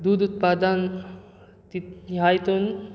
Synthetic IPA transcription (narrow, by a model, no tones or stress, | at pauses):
d̪ud̪ut̪paːd̪ən | t̪ijajt̪un